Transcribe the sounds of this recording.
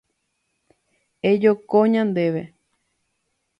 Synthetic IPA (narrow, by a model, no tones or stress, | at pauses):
ed͡ʒokoɲãnd̪eʋe